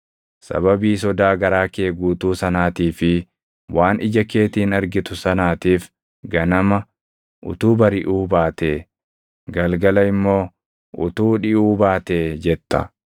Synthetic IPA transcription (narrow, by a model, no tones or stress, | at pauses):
sɐ̰bɐbiːs̬ɔd̪aːɡɐɾaːkeːɡuːt̪uːsɐnaːt̪iːfɪ | waːnʔɪd͡ʒɐke̞ːt̪iːnɐɾɡɪt̪ʊsɐnaːt̪iːf | ɡɐnɐmɐ | ʔʊ̰t̪uːbɐɾɪʔuːbaːt̪eː | ɡɐlɡɐlɐɪmːo̞ː | ʔʊt̪uːᶑɪʔuːbaːt̪eːd͡ʒɛt̪ːɐ̰